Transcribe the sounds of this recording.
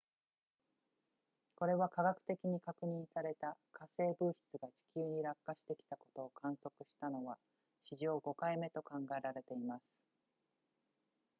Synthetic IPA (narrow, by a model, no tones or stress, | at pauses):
ko̞ɾe̞βakaɡakɯ̟̥t̪e̞kʲiɲ̟ikakɯ̟ɲ̟ĩɰ̃saɾe̞t̪akase̞ːbɯːçi̥t͡sɨɡat͡ɕi̥kʲɨːɲ̟iɾakːaɕi̥t̪e̞kʲi̥t̪ako̞̥t̪o̞ːkʰãɰ̃so̞kɯ̟ɕi̥t̪ano̞βa | ɕiʑo̞ːɡo̞kaime̞t̪o̞kãŋɡae̞ɾaɾe̞t̪e̞imasɨ̥